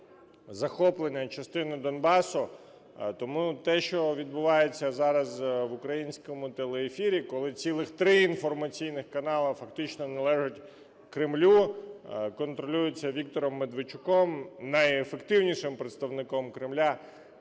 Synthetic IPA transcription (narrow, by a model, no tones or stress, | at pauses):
zɐxɔplˠenʲːɐt͡ʃɐst̪ɪnɪd̪ɔnbɑsʊ | t̪ɔmut̪ɛʃt͡ʃɔʋʲid̪̚bʊʋɑjet͡sʲːɐzɑɾɐzʋʊkɾɐjinʲsʲkɔmʊt̪elˠeːfʲiɾʲikɔlˠɪt͡sʲilˠɪxt̪ɾɪinfɔrmɐt͡sʲijnɪxkɐnɑlˠɐfɐkt̪ɪt͡ʃnɔnɛlˠɛʒʊtʲ | kɾɪmlʲu | kɔnt̪ɾɔlʲujɪt͡sʲːɐʋʲik̚t̪ɔɾɔmːed̪ʋɪt͡ʃʊkɔmnɐjefekt̪ɪwnʲiʂɪmpɾet̪st̪ɐʋnɪkɔmkɾɪmlʲa